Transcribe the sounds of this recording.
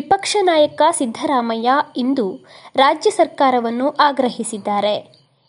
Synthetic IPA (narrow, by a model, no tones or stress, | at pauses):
ʋipɐkʂɐnaːjɐkɐsid̪ʱːɐɾaːmɐjaind̪uɾaːd͡ʒjɐsɐɾkaːɾɐʋɐnːuʔaːɡɾɐɦisid̪ːaːɾe̞